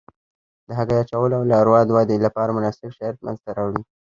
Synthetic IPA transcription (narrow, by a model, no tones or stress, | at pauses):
d̪əɦaɡajat͡ʃawəloawlɑɾwɑd̪wɑd̪elapɑɾamʊnɑsɪbʃat̪̚ma̰nzt̪aɾɑwɽi